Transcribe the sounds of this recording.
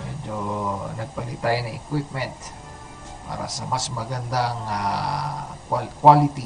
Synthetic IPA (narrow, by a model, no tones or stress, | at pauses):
mɛd͡ʒonɐɡ̚pɐlɪt̪ajnɐŋʔɪkwip̚mɛnt̪ | pa̰ːɾa̰sɐmasmɐɡɐnd̪aŋa | kakwalɪt̪i